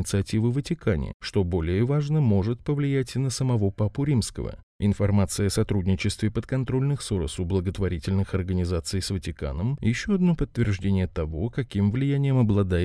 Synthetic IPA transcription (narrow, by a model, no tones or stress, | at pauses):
ɪt̪sɨɐtʲivɨvətʲɪkʰanʲɪ̰ʂt̪o̞bo̞lʲɪjəvaʐnəmo̞ʐɨt̪pəvlʲɪjætʲnəsəmɐvo̞papʊɾʲimskə̰və̰ | ɪnfɐrmat̪sɨjəɐsɐt̪ɾudʲnʲɪt͡ɕɪst̪vʲɪpət̪kɐnt̪ɾo̞lʲnɨxsoɾə̰sʊblˠəɡət̪vɐɾʲitʲɪlʲnɨxɐrɡənʲɪzat̪sɨjsvətʲɪka̰nəmjɪɕːoɐd̪no̞pət̪ːvʲɪrʐdʲenʲɪjət̪ɐvo̞kɐkʲimvlʲɪjænʲɪjəmɐblˠɐd̪a